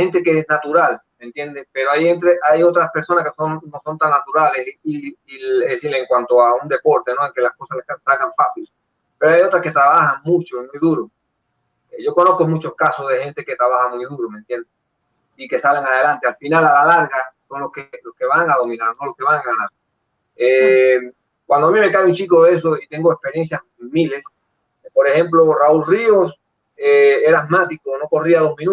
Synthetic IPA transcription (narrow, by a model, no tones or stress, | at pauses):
he̞nt̪ekeesnat̪uɾalmẽ̞nt̪je̞nd̪espe̞ɾoajent̪ɾeʔajo̞t̪ɾaspe̞ɾso̞naskesonnoso̞nt̪anːat̪uɾale̞siiilðesiɾleːŋkwant̪oaund̪e̞po̞ɾt̪e̞no̞eŋke̞lasko̞saslehasalɣaɱfasil | pe̞ɾoajo̞t̪ɾaske̞t̪ɾaβahaŋmut͡ʃoimujðuɾo | eʝo̞ko̞no̞θkomut͡ʃo̞skasozðe̞he̞nt̪e̞ke̞t̪ɾaβahamujðuɾoment̪je̞nd̪e | ike̞saleŋaðe̞lant̪ealfinalalalaɾɣaso̞nlohkeloske̞βaŋaðo̞mĩnaɾsonlo̞ske̞βaŋaanaɾ | e | kwand̪oamĩmekajunt͡ʃikoðe̞s̬oit̪e̞ŋɡoespe̞ɾje̞nsjas | miles | po̞ɾe̞hẽ̞mp̬loraulrio̞s | ee̞ɾamat̪ikono̞ko̞riaðo̞ɦmĩnu